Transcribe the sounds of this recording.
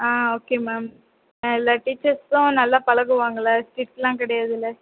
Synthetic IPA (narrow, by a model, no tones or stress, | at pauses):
aːoːkeːmaːm | ɪlːaːʈiːt͡ʃːɐɾsʊ̃nɐlːaːpɐlɐɣɯʋaːŋɡɐlaːsʈiːʈslãːkɪɽɐjaːðɪlːɐ